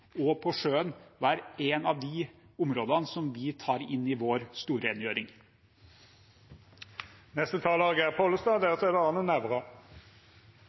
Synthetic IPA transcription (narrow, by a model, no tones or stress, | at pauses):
ɔpʰɔʂøːənʋæːɾeːnɑʋd̪ɪʊmɾoːd̪ɑnsɔmʋɪːt̪ʰɑːɾɪnːiːʋoːɾst̪uːɾəeːnjøːɾɪŋ | nɛst̪ət̪ʰɑːlɑːɡəæpʰoːləst̪ɑːd̪eːt̪ʰɛd̪əɑːnənæʋʁɑ